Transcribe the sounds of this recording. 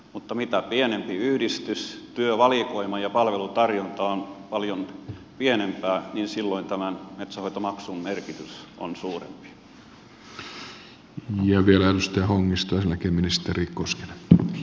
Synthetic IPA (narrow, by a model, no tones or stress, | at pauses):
mut̪ːɑmit̪æpienempiyhdist̪yst̪yøʋɑlikoimɑjɑpɑlʋelut̪ɑrjont̪ɑonpɑljon | pienempæːninsilːoint̪æmænmet̪sæhoit̪omɑksummerkit̪yso̰nsuːrḛmpi̥ | jɑʋielæt̪ust̪eæhoŋːist̪ojɑselːækeːminist̪eriːkkoske̥le